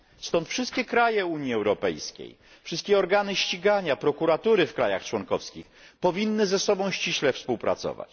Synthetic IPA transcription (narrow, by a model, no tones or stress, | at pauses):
st̪ɔnt̪fʂɘst̪kʲɛkɾajɛuɲjiɛwɾɔpɛ̰jskʲḛj | fʂɘst̪kʲɛɔɾɡanɘɕt͡ɕiɡaɲapɾɔkuɾat̪uɾɘfkɾaja̰xt͡ʂwɔŋkɔfskʲixpɔvʲinːɘzɛsɔbɔ̃w̃ɕt͡ɕiɕlɛfspuwpɾa̰t̪sɔ̰va̰t͡ɕ